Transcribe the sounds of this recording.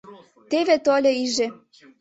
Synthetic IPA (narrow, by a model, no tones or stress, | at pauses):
t̪eβet̪olʲeiʒĕ